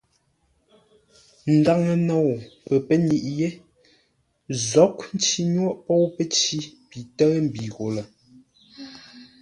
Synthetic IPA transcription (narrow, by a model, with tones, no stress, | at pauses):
n̩˨da˦ŋə˨nɔ˨wpɛ˨pə˦ni˨ʔje˦ | zɔ˨˦kn̩˦t͡ʃi˨ɲwɔ˦ʔpɔ˦wpə˦t͡ʃi˦pi˨tə˦m̩˨bi˨ɣo˨lə˨